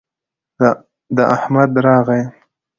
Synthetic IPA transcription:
d̪əʔahmad̪ɾɑːɣaj

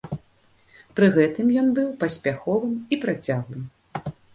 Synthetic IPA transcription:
pɾɨɣɛt̪ɨmjɔnbɨwpɐsʲpʲaxɔvɨmipɾat͡sʲaɣlˠɨm

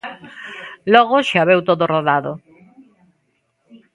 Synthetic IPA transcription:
lɔɣ̞oʃaβewt̪oðoroðaðo

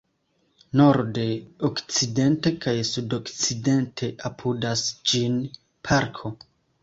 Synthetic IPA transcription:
no̞ɾde̞okt͡side̞nte̞kajsudo̞kt͡side̞ntʰe̞ʔapʰudasd͡ʒin | pʰaɾkʰo̞

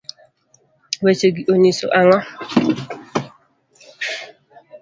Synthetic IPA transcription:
wet͡ʃeɡiʔoniso̰ʔaŋɔ

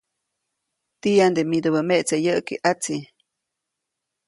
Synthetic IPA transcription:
t̪ijand̪emid̪oβəmeʔt͡sejəʔkiʔat͡si

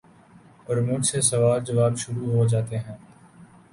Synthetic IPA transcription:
ɔːɾmʊd͡ʒsesɐʋaːld͡ʒɐʋaːbʃʊɾuɦod͡ʒaːt̪eɦɛ̃ː

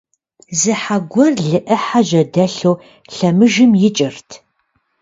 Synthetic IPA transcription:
zɨħaɡʷɔrɮɨʔɐħaʒɐdɐɬow | ɬɐmɨʒɨmjɪt͡ʃʼɪrtʰ

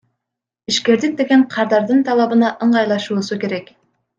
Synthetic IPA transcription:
iʃkʲe̞ɾd̪ɪk̚d̪e̞ɡʲe̞ɴqʰɑɾd̪ɑɾd̪ɯnt̪ʰɑlˠɑbɯnɑʔɯɴʁɑjlˠɑʃuːsukʲe̞ɾe̞k

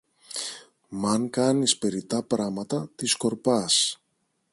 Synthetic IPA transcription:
mɐŋkɐnispe̞ɾit̪ɐpɾɐmɐt̪ɐt̪isko̞ɾpɐs

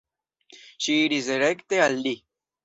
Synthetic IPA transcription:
ɕiːɾizeɾekt̪eɐlːi

